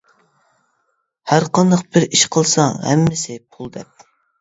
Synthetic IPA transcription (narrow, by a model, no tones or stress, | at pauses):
hæɾqɑnd̪ɑq̚bɪɾiʃqʰəlˠsɑŋhɛ̰mːɪsɪpʰulˠd̪ɛp̚